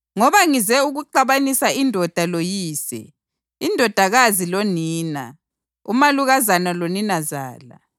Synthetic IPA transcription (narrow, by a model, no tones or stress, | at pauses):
ŋɔβaŋizɛuɣuǃaβanisaindʱɔd̥ʱalojiːsɛ̰ | indʱɔd̥ʱaɣaziloniːna̰ | ṵmaluɣazanaloninaza̰ːla̰